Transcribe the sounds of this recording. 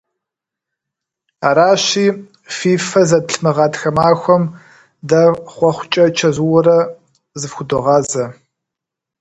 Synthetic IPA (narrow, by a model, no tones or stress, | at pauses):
aːɾaːɕiː | fiːfɐzɐbɬmɐʁɑːtxɐmaːxʷɔm | dɐχʷɔχʷʊt͡ʃʼɐt͡ʃʰɐzuwɔɾɐ | zɨfxʷʊdɔʁɑːzɐ